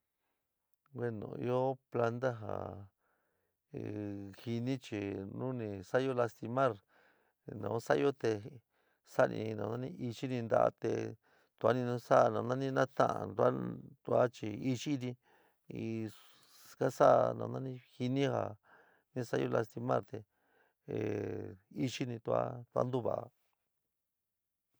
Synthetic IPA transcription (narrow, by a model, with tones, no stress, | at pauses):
ɡwe˦nõ̰˨ḭ˧o˦pla˧nd̪a˦ɦa̰˨ | hi˧nĩ˦t͡ʃi˨nũ˦nĩ˧sa˦jo˦la˧st̪i˧mã˦ɾ | nã̰˧˦sa˦˧jo˦t̪e˧ | sa˦nḭ̃˧nã˧nã˦nĩ˦ʔi˧t͡ʃi˦nĩ˧nd̪a̰˦ʔa̰˧t̪e˧ | t̪u˧a˦nĩ˧nũ˧˦sa˦˧nã˧nã˦nĩ˦nã˦t̪ã̰˦ʔã̰˧nd̪u˧a˦d̪u˧a˦t͡ʃi˧i˧t͡ʃi˦nĩ˧ | i˧ | ka˦sa˦nã̰˧nã˦nĩ˦hi˧nĩ˦ha˧˨ | nĩ˧sa˦jo˧la˧st̪i˧mã̰˦˨ɾt̪e˧˨ | e˨i˦t͡ʃi˦nĩ˧t̪u˧a̰˦t̪u˧a̰˦nd̪u˦βa̰˨ʔa˧